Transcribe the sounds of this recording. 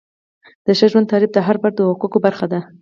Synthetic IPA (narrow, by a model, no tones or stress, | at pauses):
d̪̥əʃaʒwand̪ɑlɪb̚d̪əɦaɾbaɾd̪əwaqukobaɾxad̪a